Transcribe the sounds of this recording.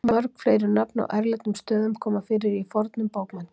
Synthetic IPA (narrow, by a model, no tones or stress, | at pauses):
mœɾkfleːjɾʏnapna̰wʔɛɾlɪt̪nʏmst̪œːðʏmkʰɔːmafɪːɾɪɾifɔɾt̪nʏmpoːwkman